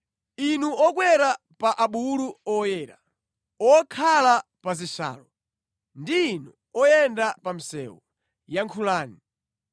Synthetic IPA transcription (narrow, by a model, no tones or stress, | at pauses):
inuɔkwɛɾa | paʔaɓuluɔjɛːɾa | ɔkʰalapazisa̰ːlɔ | ndiːnu | ɔjɛndapam̩sɛ̰wɔ | jaŋkʰulaːni